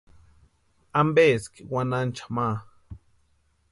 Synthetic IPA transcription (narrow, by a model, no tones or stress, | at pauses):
ambeskɪwanant͡ʃḁmaː